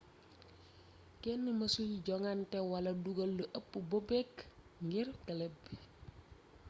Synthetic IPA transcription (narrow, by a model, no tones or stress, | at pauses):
kɛnːəmɐsujiɟɔŋantɛwɐlɐduɡɐlːəʔɐpːubobɛkː | ŋɡirɡɐlɛbi